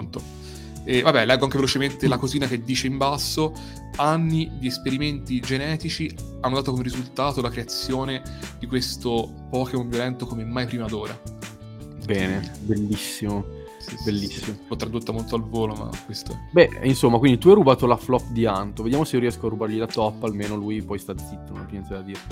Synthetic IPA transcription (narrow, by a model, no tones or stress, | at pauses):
nt̪o | ɛvabːɛlɛɡːoaŋkevelot͡ʃement̪elakoziːnak̟ed̪ːiːt͡ʃeimbasːo | anːid̪iespeɾiment̪id͡ʒenɛːt̪it͡ʃianːod̪at̪okomeɾizult̪aːt̪olakɾeat̪sːjoːned̪ikwest̪o | pɔːkeombjolɛnt̪okomemːajpɾiːmad̪oːɾa | bɛːnebelːisːimo | belːisːimolɔt̪ːɾad̪ot̪ːamolt̪oalvoːloma̰kːwest̪o̰bɛinsomːakwind̪it̪uajrubaːt̪olaflɔpːd̪iant̪oved̪jaːmoseioɾiɛskoarːubaɾʎilat̪ɔpːalmeːnolujpɔjst̪ad̪zit̪ːono̰npjɛnsad̪ad̪iːɾe